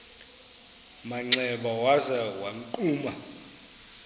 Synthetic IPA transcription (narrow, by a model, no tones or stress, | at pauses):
maŋ͡ǀɛɓawazɛwaŋǃʼuːma